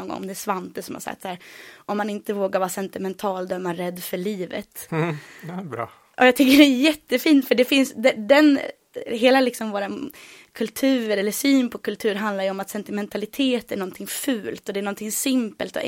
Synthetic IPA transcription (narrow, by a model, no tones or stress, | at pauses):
ɔnŋɡɔ̰ŋɔ̰md̪ɛæʂvant̪əsɔmha̰ɾsa̰kt̪sæːɾʔɔmːanɪnt̪əvoːɡaɾvɑːɾsɛnt̪ɪmɛnt̪ʰɑːld̪œmːaɾɛd̪ːfœɭiːvə̰t̪ | bɾɑ | ʔɔjɑɡt̪ʰʏkːəɖɛæjɛt̪ːəfiːnt̪fœɖɛfɪnsd̪ɛd̪ɛn | ɦeːlalɪksɔmvoːɾa | kʰɵlt̪ʰʉ̟ːɾəɾɛlːəʂyːnpʰɔkɵlt̪ʰʉ̟ːɾɦand̪laɾjɵɔmat̪sɛnt̪ɪmɛnt̪ʰalɪt̪ʰeːt̪æɳɔnt̪ʰɪŋfʉ̟ːlt̪ɔd̪ɛːnɳɔnt̪ʰɪŋsɪmpə̰lt̪ɔ̰